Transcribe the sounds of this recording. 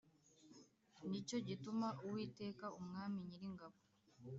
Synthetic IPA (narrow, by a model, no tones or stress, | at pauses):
nico̞ɟitumaʔuwiːte̞ːkaumŋaːmiɲiɾiŋɡaβo